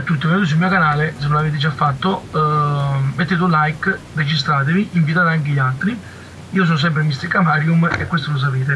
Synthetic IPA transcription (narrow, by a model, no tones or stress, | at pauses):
t̪ːut̪ːovenːd̪os̬ulmiːokanaːlesenːonaveːt̪ed͡ʒafːat̪ːo | met̪ːeːt̪eunlajk | red͡ʒist̪ɾaːt̪eviʔiɱvit̪aːt̪eaŋk̟̬eʎialt̪ɾi | iːos̬oːnos̬ɛmp̬ɾemist̪eɾkamaːɾjumekːwest̪olos̬apeːt̪e